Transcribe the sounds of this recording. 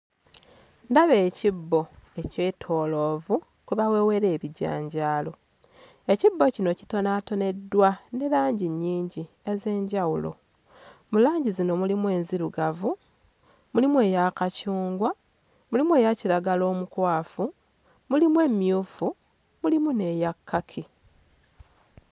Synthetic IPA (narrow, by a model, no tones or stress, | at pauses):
ndaβe̞ːcibːo̞e̞ce̞tʰo̞ːlo̞ːvu | kuβawe̞we̞ɾe̞ːβiɟa̰ːɲɟaːlo̞ | e̞cibːo̞cino̞ci̥to̞naːto̞ne̞dːwane̞laːɲɟiɲːiːɲɟi | e̞ze̞ːɲɟawulo̞̰ | mulaːɲɟizino̞mulimwe̞ːnziɾuɡavu | mulimwe̞ːjakacuːŋɡwa | mulimwe̞ːjaciɾaɡalo̞ːmukwaːfu | mulimwe̞ːmjuːfu | mulimune̞jakːakʰi